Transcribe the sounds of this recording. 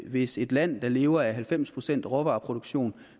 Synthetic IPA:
ʋe̝se̝d̥læn̰d̥ɑ̈le̝ːʊɐæɦælfem̰spʰʁo̝sen̰d̥ʁɒʋɑ̈ːpʰʁo̝d̥oɡ̥ɕo̝̰ːn

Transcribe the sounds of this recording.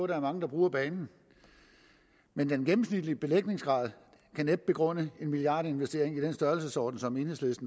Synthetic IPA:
ɔɾ̥ɑ̈æɐmɑ̈ŋəd̥ɑ̈b̥ʁuːɐb̥ɛːnn̩ | mend̥enɡ̥em̩snid̥lib̥e̝leɡ̥̚ne̝ŋsɡ̥ʁɑ̰̈ːð̞ˠ | kʰæned̥̚b̥e̝ɡ̥ʁɔ̽n̰əe̝nmiliɑ̈ːdəe̝nʋesd̥e̝ɐ̰eŋid̥ensd̥ɶɐlsəsɒ̰ːd̥n̩sɒ̽me̝nheslesd̥n̩

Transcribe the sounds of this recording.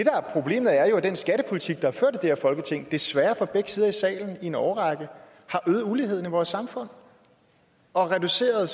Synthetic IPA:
d̥e̝d̥ɾɑ̈æɐpʰʁo̝b̥le̝̰ːmð̩ˠæɐjo̝æd̥ensɡ̥æɾəpʰo̝lit͡sʰiɡ̥̚d̥ɑ̈hɑ̈fø̰ɐ̰d̥d̥e̥ɛɐfɒ̽lɡ̥ət͡sʰe̝ŋ̰d̥e̝sʋæːɐfɒ̽b̥eɡ̥sið̞ˠɐisɛ̰ːln̩ie̝nɒʊʁɑɡ̥ə | hɑ̈ʔøːð̩ˠulihe̝ð̞̰ˠn̩iʋɒːsːɑ̈mfɔ̽n̰ | ɒ̽ʁɛd̥use̝̰ːɐð̞ˠ

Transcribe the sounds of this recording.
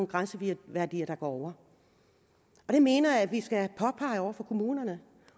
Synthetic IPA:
nɡ̥ʁansəʋiʋæɐd̥ḭːɐɾ̥ɑ̈ɡ̥ɒ̰ɒʊ̰ɐ | ʔɒ̽ɾ̥e̝me̝ːnɐæʋisɡ̥æpʰɒ̽pʰɑ̈ɪɒʊɐfɒ̽kʰo̝muːnɐnə

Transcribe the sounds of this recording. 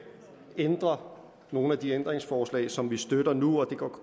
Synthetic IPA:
end̥ʁɐ | no̝ːn̩æd̥iend̥ʁeŋsfɒːslɛ̰ɪsɒ̽mʋisd̥øɾ̥ɐnuɒ̽d̥e̝ɡ̥ɒ̰kʰ

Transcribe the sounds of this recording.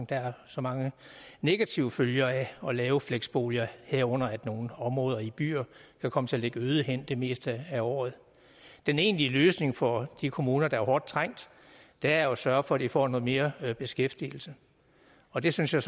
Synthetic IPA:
d̥ɑ̈æɐsɒ̽mɑ̈ŋəne̝ɡ̥æt͡sʰiʊəføljɐæɒ̽lɛːʊəfleɡ̥sb̥o̝̰ːljɐheɐ̰ɔ̽n̰ɐæd̥no̝ːn̩ɒ̽mʁɔ̽ːð̞ˠɐib̥y̰ːɐkʰækʰɒ̽mət͡sʰe̝ɐleɡ̥əøːð̞ˠəɦen̰d̥e̝me̝̰ːsd̥əæɒ̰ːð̞̩ˠ | d̥ene̝̰ːnliəløːsne̝ŋfɒ̽d̥ikʰo̝muːnɐd̥ɑ̈æɐhɒːd̥̚t͡sʰʁaŋ̰d̥ | d̥æosɶɐfɒ̽æd̥ifɒ̰ːnɔ̽ːð̩ˠme̝ːɐb̥e̝sɡ̥efd̥il̩sə | ɒ̽d̥e̝synsjɑ̈s

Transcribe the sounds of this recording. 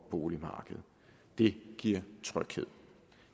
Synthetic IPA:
b̥o̝ːlimɑ̈ːɡ̥əð̩ˠ | d̥e̝ɡ̥iɐ̰t͡sʰʁœɡ̥he̝ð̞̰ˠ

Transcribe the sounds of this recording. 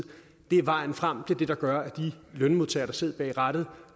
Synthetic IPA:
d̥e̝æɐʋɑ̈ɪ̰n̩fʁam̰t͡sʰe̝d̥e̝d̥ɑ̈ɡ̥ɶɐæd̥ilønmo̝ðˠt͡sʰɛ̰ːɐɾ̥ɑ̈se̝ð̞̰ˠb̥ɛ̰ːɪʁɑɾ̥ð̩ˠ

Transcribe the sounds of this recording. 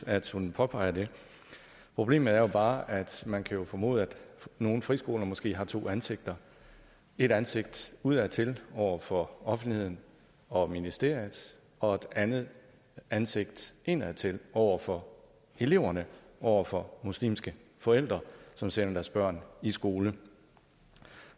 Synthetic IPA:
æd̥hunpʰɒ̽pʰɑ̈ɪ̰ɐd̥e̝ | pʰʁo̝b̥lḛːməð̩ˠæɐjo̝b̥ɑ̈ːʔæd̥mænkʰæjo̝fɒ̽mo̝̰ð̩ˠæd̥no̝ːn̩fʁisɡ̥o̝ːlɐmɒ̽sɡ̥e̝̰ːɦɑ̈t͡sʰo̝̰ːænse̝ɡ̥̚d̥ɐ | e̝ɾ̥ænse̝ɡ̥̚d̥uð̞̰ˠæt͡sʰe̝lɒʊ̰ɐfɒ̽ɒ̽fn̩d̥lihe̝ð̞̰ˠn̩ | ɒ̽minisd̥e̝̰ɐ̰jð̩ˠ | ɒ̽e̝d̥ænð̩ˠ | ænse̝ɡ̥̚d̥ʔe̝næðt͡sʰe̝lɒʊ̰ɐfɒ̽ | e̝le̝ʊ̰ɐnəʔɒʊ̰ɐfɒ̽muslḭːmsɡ̥əfɒ̽el̰d̥ʁɐsɒ̽msenɐd̥æɐsb̥ɶɐ̰nisɡ̥o̝ːlə

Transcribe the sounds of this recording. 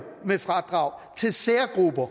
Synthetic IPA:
mefʁɑd̥ʁɑ̈ʊ̰t͡sʰe̝lseːɐɡ̥ʁub̥ɐ

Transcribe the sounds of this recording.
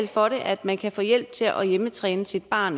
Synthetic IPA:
l̰fɒ̽ɾe̝ʔæd̥mænkʰæfɔ̰ːjel̰b̥̚t͡sʰe̝lʔɒjemət͡sʰʁɛːnəsid̥̚b̥ɑ̰̈ːn

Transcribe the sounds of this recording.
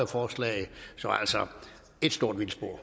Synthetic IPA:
ɐfɒːslɛ̰ɪsɒ̽æ̰lsɒ | e̝d̥sd̥o̝ɐ̰d̥ʋilsb̥o̝ɐ̰

